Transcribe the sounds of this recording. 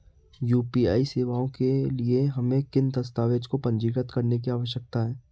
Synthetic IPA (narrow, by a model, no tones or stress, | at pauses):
juːpiːa̰ːiseːʋaːõkelieɦɐmẽkɪnd̪ɐst̪aːʋeːd͡ʒkopɐ̃ɲd͡ʒiːkət̪kɐɾnek̬iaːʋəʃ̬jək̚t̪aɦɛː